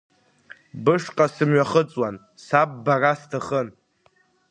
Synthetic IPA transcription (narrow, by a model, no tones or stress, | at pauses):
bɨʂqʼasɨmɥaχət͡sʼwan | sab̚ːarastʰaχən